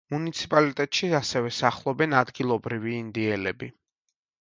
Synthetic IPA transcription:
munit̪sʰipʼalit̪ʼɛt̪ʼʃiasɛvɛsaχlˠɔbɛnad̪ɡilˠɔbɾiviːnd̪iɛlɛbi

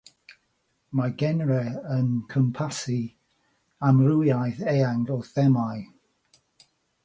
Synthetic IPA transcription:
maɡɛnɹɛənkʰəmpʰasi | amrujajθejaŋɡɔθɛmaj

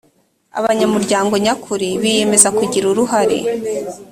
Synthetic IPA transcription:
a̰βaɲamuɾɟaːŋɡo̞ɲakʰuɾiβije̞me̞zakuɟiɾuɾuɦaɾḛ

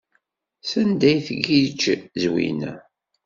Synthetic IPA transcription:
sənd̪æjθəɡit͡ʃːzwḭnæ

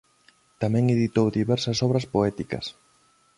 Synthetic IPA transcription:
t̪amɛ̃ŋeðit̪owðiβɛɾsɐsɔβ̞ɾɐspoɛt̪ikɐ̰s

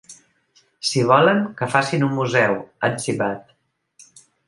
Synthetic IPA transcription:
siβ̞ɔləŋkəfasinummuzɛwənsiβat̪

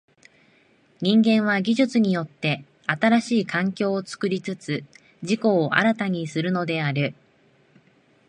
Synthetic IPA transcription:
ɲ̟ĩŋɡẽ̞ɰ̃β̞aɡʲiʑɨt͡sɨɲ̟ijo̞t̪ːe̞ | at̪aɾaɕiːkãŋkʲo̞ːt͡sɨ̥kɯ̟ɾʲit͡sɨt͡sɨ | ʑiko̞ːʔa̰ɾat̪aɲ̟isɨɾɯ̟no̞d̪e̞aɾɯ̟

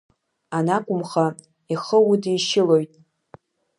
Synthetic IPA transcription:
anakʷʼʊmχa | iχəwudiʃɪlo̞jtʼ

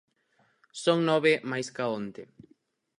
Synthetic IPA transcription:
soŋnɔβemajskaont̪e

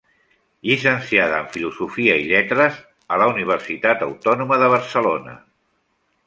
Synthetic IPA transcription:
ʎisənsiaðəːɱfiluzufiəiʎɛt̪ɾəz | ələuniβ̞ərsit̪at̪əwt̪ɔnuməðəβ̞əɾsəlonə̰

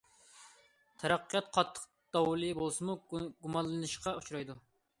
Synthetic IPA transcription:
t̪ʰɛɾɑqːijɑt̪̚qʰɑt̪ʰːə̥q | d̪̥ɑwlˠɨbolˠsɨmuɡumɑlˠlːɨnɨʃqɑut͡ʃʰuɾɑjd̪u

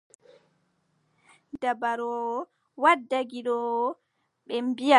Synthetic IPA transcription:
dabaɾɔ | wadːaɡiɗɔ | ɓɛmbija

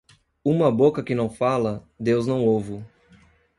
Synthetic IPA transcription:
ũmɐbokɐkɪnɐ̃w̃falɐ | d̪ewznɐ̃w̃owvʊ

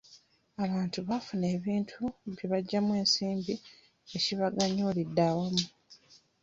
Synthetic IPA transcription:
aβaːntuβafune̞ːβiːntʰuβjiβaɟːamwe̞ːnsiːmbi | eciβaɡaɲoːlidːaːwamu

